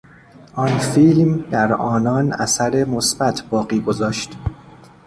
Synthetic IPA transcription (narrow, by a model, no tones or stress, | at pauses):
ʔɒnfiːlmd̪æɾɒːnɒːnʔæ̰sæɾe̞mosbæt̪ʰbɒːɣiːɡozɒːʃt̪